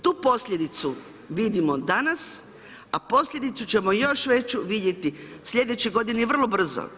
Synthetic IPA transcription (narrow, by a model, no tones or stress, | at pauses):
t̪uːpo̞sʎʲed̪it̪su | ʋid̪imo̞d̪anas | apo̞sʎʲe̞d̪it̪sut͡ɕe̞mojo̞ʃʋe̞t͡ɕuʋid̪je̞t̪isʎʲe̞d̪et͡ɕiɡo̞d̪iniʋr̩lˠobr̩zo̰